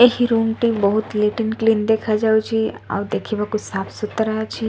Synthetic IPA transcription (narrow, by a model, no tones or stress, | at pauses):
eɦiɾuːnʈibəɦʊt̪leːʈɪnkliːnd̪eːkʰad͡ʒaːut͡ʃʰiɔ̰ːd̪eːkʰibakʊt͡ʃsaːpʰsʊt̪ɾɐɦat͡ʃʰi